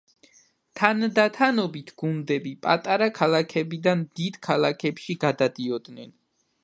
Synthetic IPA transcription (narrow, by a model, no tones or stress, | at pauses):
t̪ʰand̪at̪ʰanɔbit̪ʰɡ̥und̪ɛbipʼat̪ʼaɾakʰalˠakʰɛbid̪anmd̪id̪̥kʰalˠakʰɛpʃiɡad̪ad̪iɔd̪nɛn